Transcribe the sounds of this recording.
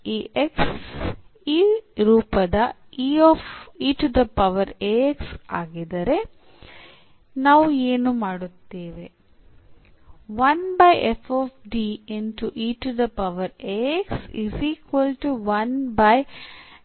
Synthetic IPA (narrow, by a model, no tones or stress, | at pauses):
iːʔeks | iːɾuːpɐd̪ɐ | iːofiːʈud̪ɐpɐʋɐɾeeksaːɡid̪ɐɾe̞ | naːʋueːnumaːɽut̪ːeːʋe̞ | ʋɐnbɐjʔefʰoːpɖienʈuʔiːʈud̪ɐpɐʋɐɾeeksiziːkʋɐlʈuʋɐnbɐj